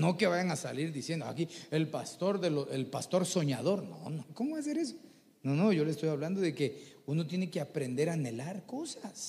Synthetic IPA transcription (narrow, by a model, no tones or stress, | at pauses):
no̞keβajaŋasa̰liɾðisjend̪oa̰kielpast̪o̞ɾðeloʔelpast̪o̞ɾso̞ɲaðo̞ɾno̰noko̞moβas̬e̞ɾes̬o̥ | nono̞ʝo̞lest̪o̞jaβland̪o̞ðekeuno̞t̪je̞ne̞ke̞apɾe̞nd̪e̞ɾaːne̞laɾko̞sas